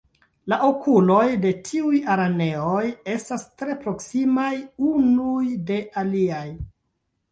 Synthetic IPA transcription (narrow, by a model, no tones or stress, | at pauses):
laʔo̞kulo̞jde̞tʰiujaɾane̞oje̞stastɾe̞pɾo̞ksimajunujde̞ʔaliaj